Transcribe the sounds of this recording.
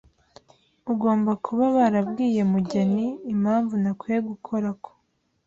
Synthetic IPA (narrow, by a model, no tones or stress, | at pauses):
uɡo̞ːmbakʰuβaβaɾabɡiːje̞muɟeniːm̥haːɱvunakweɡukʰo̞ɾakʰo̥